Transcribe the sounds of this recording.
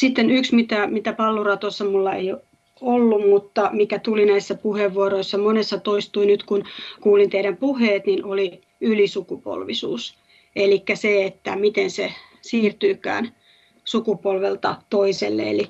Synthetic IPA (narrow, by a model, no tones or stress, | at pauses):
sit̪ːenyksmit̪æmit̪æpɑlːurɑt̪osːɑmulːɑḛio | olːummut̪ːɑmikæt̪ulinæisːæpuheʋːuoɾoisːɑmonesːɑt̪oist̪uinyt̪kunkuːlint̪eiɾæmpuheːt̪ninʔoli | ylisukupo̰lʋisṵːs | elikːæseet̪ːæmit̪ense | siːrt̪yːkæ̰ːn | sukupolʋelt̪ɑt̪oiselːḛḛli